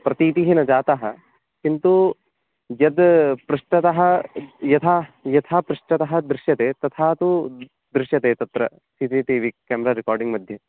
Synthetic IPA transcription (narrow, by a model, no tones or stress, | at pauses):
pɾɐt̪iːt̪iɦinɐd͡ʒaːt̪ɐɦɐ | kint̪u | jɐd̪pɾɐʂʈɐt̪ɐɦɐjɐt̪ʰaːjɐt̪ʰaːpɾuʂʈɐt̪ɐɦɐ̆d̪ɾɪʃjɐt̪eːt̪ɐt̪ʰaːt̪u | d̪ɾɪʃjɐt̪eːt̪ɐt̪ɾɐ̰ | siːt̪iːt̪iːʋikːɛːmɾaːɾikaːɾɖiŋɡmɐd̪ʱjɐ